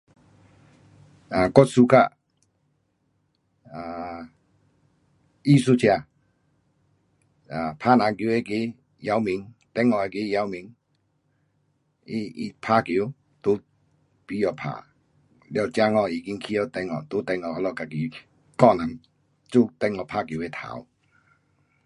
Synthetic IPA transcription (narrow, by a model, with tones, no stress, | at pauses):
a˨kɔ˦˨t̚su˧˦kʰa˦˧˨ | a˨ | i˦˨su˦t͡ɕʰja˧˨ | a˨pʰa˦nã˨˧˦kje˦ke˧˦ | ja˨˧˦wmi˨˦ŋt̪ɛ˧˦ŋɔ˨e˧ke˦ja˧˦wmĩ˨˦ŋ | i˦˧ḭ˧pʰa˧˦kji˨˦ | t̪u˦ | pi˨˦jɔ˨pʰa̰˨ | ljɔ˧˨t͡ɕja˦ŋɔ˧˨i˨ki˧˦ŋkʰi˦jɔ˧˨t̪ɛ˧ŋɔ̰˧˨t̪u˦t̪ɛ˧ŋɔ˧˨hɔ˧lɔ˧˨ka˨ki˨ | kɔ˥˧˨na˨˦ŋ | t͡su˥˧˨t̪ɛ˧ŋɔ˧˨pʰa˧˨kji˨˦e˧˦t̪ʰa̰˨˦w